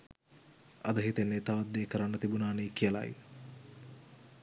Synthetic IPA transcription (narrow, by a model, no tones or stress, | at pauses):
ɐd̪əɦit̪enːet̪aʋat̪ːeːkəɾanːət̪ibunaːnijkijəla̰j